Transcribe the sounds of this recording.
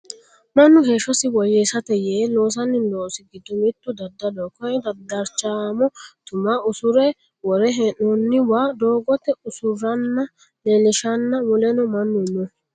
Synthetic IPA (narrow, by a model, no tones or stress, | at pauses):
mɐnːʊheːʃːɔsɪwɔjesɐt̪ɛjeːloːs̬ɐnːɪloːsɪɡɪd̪ːʊmɪt̪ːʊd̪ɐd̪ːɐd̪ɔkɔʔɛd̪ɐd̪ːɐɾt͡ʃaːmɔt̪ʊmaʊsʊɾɛ | wɔɾɛɦɛnɔnːɪwaːd̪o̞ːɡɔt̪ːɛʊsʊɾɐnːɐ | nɛlɪʃɐnːɐwɔlɛnɔmɐnːʊnɔ